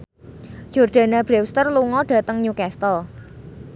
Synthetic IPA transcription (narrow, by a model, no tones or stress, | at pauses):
d͡ʒ̥ɔrd̪̥a̤nab̥ɾɛwst̪ərluŋɔɖ̥a̤t̪əŋɲukɛst̪əl